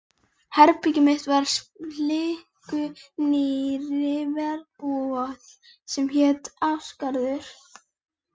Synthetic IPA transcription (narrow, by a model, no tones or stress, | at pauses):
hɛɾpicɪmɪht̪vaɾ̥slɪh | kʏnɪɾɪvɛɾpuat̪ | sɛmçɛːt̪awskaɾðʏɾ̥